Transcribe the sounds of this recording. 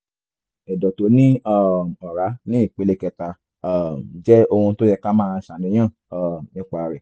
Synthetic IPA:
ɛ˨dɔ˨to˨˦nĩ˦a˦˨ɔ˨ɾa˨˦nĩ˦i˦˨k͡pe˨˦le˦kɛ˧ta˧˨˦ | d͡ʒɛ˦o˧hũ˧˦to˦jɛ˧ka˦mãː˦˧˦ʃa˨nĩ˧˦j̃ã˦˨ | a˨nĩ˦k͡pa˧˨ɾɛ˨

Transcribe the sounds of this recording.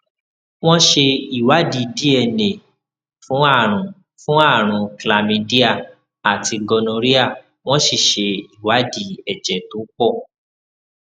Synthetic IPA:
w̃ɔ̃˦ʃe˧i˨wa˨˦di˧˨di˦ɛ˧˨nẽ˨ | fũ˨˦a˦˨ɾ̃ũ˨ | fũ˦a˦˨ɾ̃ũ˨kla˧mĩ˧di˦a˦˨ | a˨ti˧ɡɔ˧nõ˧ɾi˦a˦˨ | w̃ɔ̃˦ʃi˦˨ʃe˧i˨wa˨˦di˦˨ɛ˨d͡ʒɛ˨to˨˦k͡pɔ˦˨

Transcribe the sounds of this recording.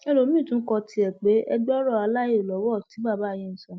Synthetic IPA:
ɛ˦˧lo˨˦mĩ˦˨tũ˦kɔ˧tʰi˧ɛ˨k͡pe˨˦ɛ˧ɡ͡bɔ˦ɾɔ˦˨a˧la˦e˦˨lɔ˨˦wɔ˦˨tĩ˨˦ba˦˨ba˨˦˨je˦n̩˨˦sɔ̃˧˦

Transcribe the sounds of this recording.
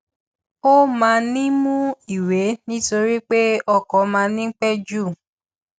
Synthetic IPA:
o˦mãː˧nĩ˦mũ˦i˨we˨˦nĩ˦to˧ɾi˦k͡pe˦ɔ˧kɔ˨˦mãː˧nĩ˦ŋ̩˦k͡pɛ˦d͡ʒu˦˨

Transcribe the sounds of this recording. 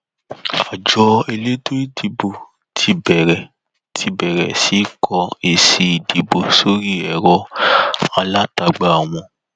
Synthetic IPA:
a˨d͡ʒɔ˧e˧le˦to˦i˦di˨bo˨ | tʰi˧bɛ˨ɾɛ˨ | tʰi˧bɛ˨ɾɛ˨si˨˦kʰɔ˧e˨si˧i˨di˨bo˨so˦ɾi˦˨ɛ˨ɾɔ˧˦ | a˧la˦ta˧ɡ͡ba˧˨a˨w̃ɔ̃˧

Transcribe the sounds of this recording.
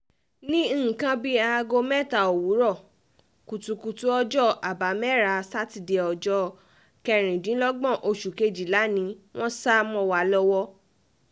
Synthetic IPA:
nĩ˦˨kã˧bi˦a˦˧ɡo˧mɛ˦ta˨o˨wu˨˦ɾɔ˦˨ | ku˨tu˧ku˧tu˦ɔ˦d͡ʒɔ˦a˨ba˨˦mɛ˦ɾa˧sa˦ti˨de˨˧ɔ˨d͡ʒɔ˧˦ | kɛ˧ɾ̃ĩ˨dĩ˨˦lɔ˦ɡ͡bɔ̃˦˨ʔo˧ʃu˨ke˧d͡ʒi˨la˨˦nĩ˧˦w̃ɔ̃˦sa˦mɔ̃˦wa˨˦lɔ˦wɔ˦

